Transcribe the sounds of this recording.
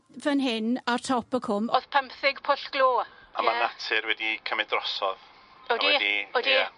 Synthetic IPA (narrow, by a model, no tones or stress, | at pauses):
vənɦɪnartʰɔpəkʰʊmoð̥pʰəmpθɪɡpʰʊɬɡ̥loːamanatʰɪɾwɛdikʰəmɛdrɔsɔð | odɛdiodi